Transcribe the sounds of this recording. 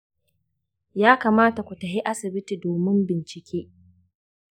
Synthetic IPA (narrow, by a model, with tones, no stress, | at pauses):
jaː˦kaː˨maː˦ta˨kʷu˨tɐ˨ɦi˦ʔa˦sɪ˨bɪ˦ti˨doː˨mɪ˦mbɪ˨nt͡ʃɪ˨kʲʰeː˦